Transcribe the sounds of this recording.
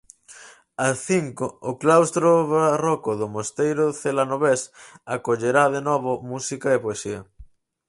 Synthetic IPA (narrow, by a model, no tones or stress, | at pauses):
asθiŋkoːklawst̪ɾoβarɔkʊðʊmost̪ejɾʊθelanoβesakoʎeɾaðenɔβʊmusikɐepoesiɐ